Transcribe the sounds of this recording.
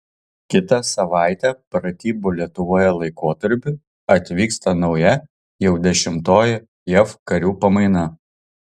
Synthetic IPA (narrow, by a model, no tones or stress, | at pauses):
kʲɪt̪ɐsɐʋɑˑɪt̪ʲɛpɾɐt̪ʲiːbʊlʲiɛt̪ʊʋoːjɛlˠɐɪkoːt̪ɐɾʲpʲʊ | ɐt̪ʲʋʲiːkst̪ɐnɒʊjɛ | jɛʊd̪ʲɛʃʲɪmt̪oːjɛ | jɛfkɐɾʲuːpɐmɐɪnɐ